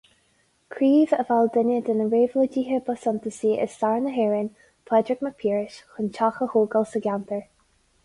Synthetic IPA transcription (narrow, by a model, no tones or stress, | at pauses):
kʰɾiːvəvald̪ɪnʲəd̪ənəɾeːvlədiːɦəbəsɔnt̪əsiːʔɪ̰sːaɹnəɦeːɹɪnʲ | pʰlɛdɹɪkməpʰiːɹɪʃxənt͡ʃʰaxəhuːɡəlsəɡʲant̪əɹ